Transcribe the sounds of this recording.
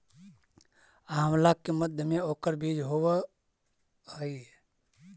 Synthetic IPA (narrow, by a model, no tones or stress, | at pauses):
aɦəmlakkːeməd̪ʱjəmeoːkəɾbid͡ʒɦoʋə | ɦəie